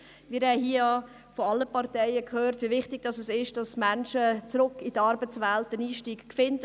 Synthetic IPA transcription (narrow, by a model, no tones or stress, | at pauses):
ʋɪːɾɛɦiːəɑ | fɔɑlːəpɑɾtɛɪəkʰhøːɾtʋivɪχtɪɡ̥̚d̥ɑsɛsɪʃd̥ɑsmænʃət͡sɾʊkːidɑɾbət͡sʋɛltəniːʃtiːɡkfɪnd